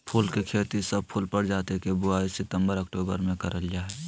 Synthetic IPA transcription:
pʰuːlkekʰeːt̪isəb̚pʰʊlpəɽd͡ʒaːt̪ekebʊaːisɪt̪ə̃mbəɾəkʈoːbəɾmẽkəɾəld͡ʒaːɦɛː

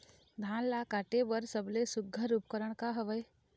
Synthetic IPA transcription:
d̪ʱaːnlakaʈebəɾsəblesʊɡʱːəɾupkəɾəɽkaɦəʋəj

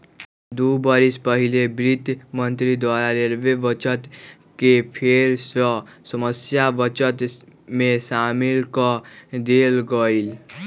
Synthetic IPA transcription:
d̪ubəɾispəɦilebɾit̪mənt̪ɾid̪waɾaɾeɾbeʋət͡ʃət̪ | kepʰeɾsəsəməsjaʋət͡ʃət̪mẽsamilkəd̪elɡəil

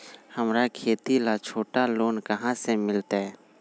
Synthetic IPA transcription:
həmɾakʰeːt̪ilat͡ʃʰoːʈaloːnkəɦãsemɪlt̪aɦɛ

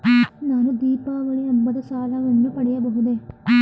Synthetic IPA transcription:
naːnud̪iːpaːʋɐɭiɐmːɐd̪ɐsaːlɐʋɐnːupɐɽɛjɐbɐɦud̪e

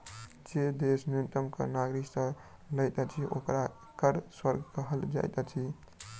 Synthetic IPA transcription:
d͡ʒed̪esnjunt̪əmkə̰naɡɾiksə̃ | ləjt̪ət͡ʃʰiʔo̰kɾa | kəɾswəɾɡkəɦəld͡ʒa̰jt̪ət͡ʃʰi

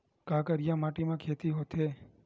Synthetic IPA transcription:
kaːkəɾjamaʈimãkʰet̪iɦot̪ʰe

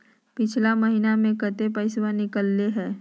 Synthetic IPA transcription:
pɪt͡ʃʰlaməɦiːnamẽkət̪epəɪswanɪkəlːeɦɛ̃ː

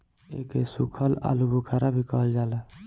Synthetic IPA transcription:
ekesukʰəla̰lubʱukʰaɾabʱikəɦəld͡ʒaːlə

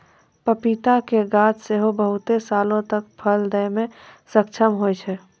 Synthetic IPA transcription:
pəpit̪akeɡaːt̪seɦobəɦʊt̪esalõt̪ək̚pʰəld̪əmẽsək̚t͡ʃʰəmɦojt͡ʃʰɛ

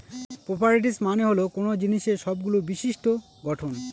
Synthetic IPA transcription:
popaɾiʈ̬ismaneɦolokonod͡ʑiniʃeɾʃɔbɡulobiʃiʃʈo | ɡɔʈʰon

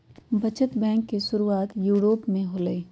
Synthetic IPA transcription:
bʱɐt͡ʃət̪bɛ̃ːŋkːeʃʊɾuaːt̪juːɾoːpmẽɦoləe

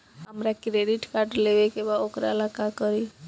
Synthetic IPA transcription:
ɦəmɾakɾeɖiʈkaɾʈleʋekebaokɾa̰əlakakəɾi

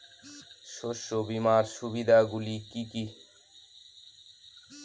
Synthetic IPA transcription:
ʃoʃːobimaɾʃubid̪ʱaɡulikiki

